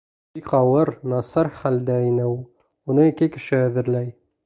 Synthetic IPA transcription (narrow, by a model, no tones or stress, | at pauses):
bikɑwɤɾnɑsɑɾχæld̪æːnɘw | unɤikɘkɘ̆ʃɘæðɘ̆ɾlæj